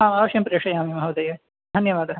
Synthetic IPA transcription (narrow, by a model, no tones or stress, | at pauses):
aːmaːʋɐʃjɐmpɾeːkʂɐjaːmimɐɦɐwd̪ɐjɐ | d̪ʱɐnjɐʋaːd̪ɐ